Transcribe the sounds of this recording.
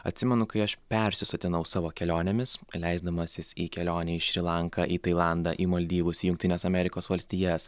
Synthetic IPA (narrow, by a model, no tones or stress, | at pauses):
ɐ̰t̪ʲsʲɪmʲɛnʊkɐɪɐʃpʲɛɾʲsʲɪsʊt̪ʲɪnɐʊsɑːʋoːkʲɛlʲoːnʲemʲɪslʲɛɪzd̪ɐmɐsʲɪsiːkʲɛlʲoːnʲɛɪʃʲɾʲɪlˠɑŋkɑʔiːt̪ɐɪlˠɑˑnd̪ɑʔiːmɐlʲd̪ʲiːʋʊsijʊŋkt̪ʲɪnʲeːsɐmʲɛɾʲɪkoːsʋɐlʲsʲt̪ʲiːjɛs